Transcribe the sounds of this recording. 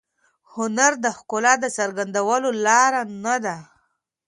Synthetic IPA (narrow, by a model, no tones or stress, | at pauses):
hʊnaɾd̪əxkʊlɑd̪əsəɾɡand̪awəlolɑɾanad̪a